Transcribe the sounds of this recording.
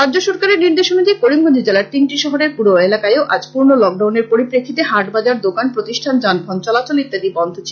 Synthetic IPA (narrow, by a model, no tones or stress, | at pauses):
ɾad͡ʑoʃɔɾkaɾeɾniɾd̪eʃonad̪ekoɾimɡond̪id͡ʑelaɾt̪inʈiʃɔɦoɾeɾpuɾoelakaeoʔa̰d͡ʑpuɾnolɔk̚ɖawneɾpoɾipɾekʰːit̪eɦaɾʈbad͡ʑaɾd̪okanpɾot̪iʃʈʰand͡ʑanbʱɔnt͡ɕɔlat͡ɕolit̪ːad̪ibɔnd̪ʱot͡ɕʰi